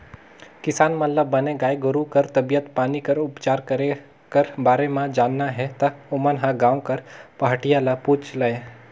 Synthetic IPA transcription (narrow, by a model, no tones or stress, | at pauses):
kɪsaːnmɐlləbəneɡaːjɡəɾukəɾt̪ɐbijət̪paːnikəɾʊpt͡ʃaːɾkəɾe | kəɾbaːɾemãd͡ʒaːnːaɦɛt̪ɐʊmənɦãɡãːw̃kəɾpəɦəʈijalaput͡ʃlae